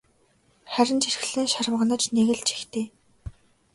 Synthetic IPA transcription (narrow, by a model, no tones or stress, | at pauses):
χæɾʲɪ̆nt͡ɕʰirx̆ɮeːnʃaɾ̆m̆ʁə̆nə̆t͡ɕneɣɘ̆ɮt͡ɕʰi̥xt̪ʰeː